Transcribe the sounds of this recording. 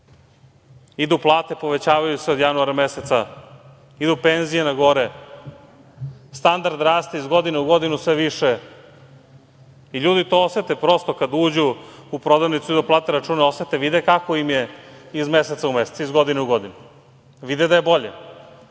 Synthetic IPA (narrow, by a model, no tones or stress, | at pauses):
id̪uplˠaːt̪epo̞ʋet͡ɕaːʋajuseod̪januaɾameset̪sa | id̪upenzijenaɡo̞ɾe | st̪and̪aɾd̪ɾaːst̪eizɡo̞d̪ineuɡo̞d̪inusʋeʋiʃe | iʎuːd̪it̪o̞oset̪epɾo̞st̪o̞kad̪uːd͡ʑuupɾo̞d̪aʋnit̪suid̪uplˠaːt̪eɾat͡ʃuːnao̞set̪eʋid̪ekakoimjeizmeset̪saumeset̪sizɡo̞d̪ineuɡo̞d̪inu | ʋid̪ed̪ajebo̞ʎḛ